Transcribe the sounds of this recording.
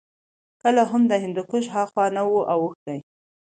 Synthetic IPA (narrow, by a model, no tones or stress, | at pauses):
kəlaɦʊmd̪əɦɪnd̪ukʊʃɦɑxwɑnawuʔawəxd̪aj